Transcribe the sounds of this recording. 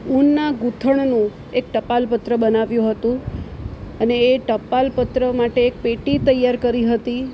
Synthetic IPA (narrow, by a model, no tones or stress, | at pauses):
unːaɡut̪ʰəɳnũ | ek̚ʈəpalpət̪ɾəbənaʋjũɦət̪ũ | əneːʈəpalpət̪ɾəmaʈeːk̚peʈit̪əjaɾkəɾiɦət̪i